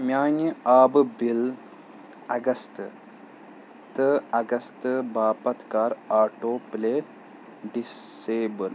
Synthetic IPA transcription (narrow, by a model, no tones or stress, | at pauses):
mʲjaːnəaːbbil | ɐɡɐst̪ | t̪əɐɡɐst̪ɨbaːpɐt̪kaːɾaːʈoːple | ɖiseːbəl